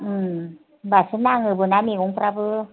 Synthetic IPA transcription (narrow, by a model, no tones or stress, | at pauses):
ɯ | basɯnaŋɯbɯnamikoŋpɾabɯ